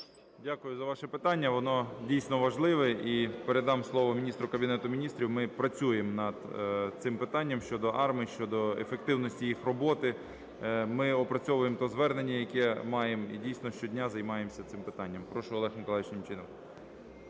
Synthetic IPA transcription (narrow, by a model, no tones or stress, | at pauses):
dʲakʊjʊzɐʋɑʃɛpɪt̪ɑnʲːɐʋɔnɔdʲijsʲnɔʋɐʒlˠɪʋɛipeɾed̪ɑmslˠɔʋɔmʲinʲist̪ɾʊkɐbʲinɛt̪ʊmʲinʲist̪ɾʲiwmɪpɾɐt͡sʲujemnɐd̪t̪sɪmpɪt̪ɑnʲːɐmʃt͡ʃɔd̪ɔʔɑrmiʃt͡ʃɔd̪ɔḛfek̚t̪ɪwnɔsʲtʲijixrɔbɔt̪ɪ | mɪɔpɾɐt͡sʲɔʋʊjemt̪ɔzʋɛrnenʲːɐjɐkɛmɑjemḭdʲijsʲnɔʃt͡ʃɔdʲnʲazɐjmɑjemsʲɐt̪sɪmpɪt̪ɑnʲːɐmpɾɔʃʊɔlˠɛxɔmkɔlˠɪt͡ʃnʲɪmt͡ʃɪnɔm